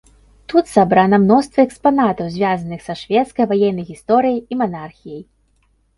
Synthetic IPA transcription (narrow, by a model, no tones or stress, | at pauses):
t̪ut̪sabɾanɐmnɔst̪vɐɛkspanat̪ɐwzʲvʲazɐnɨxsɐʂvʲɛt̪skɐjvajɛnːɐjɣʲist̪ɔɾɨjɐjimanarxʲijɐj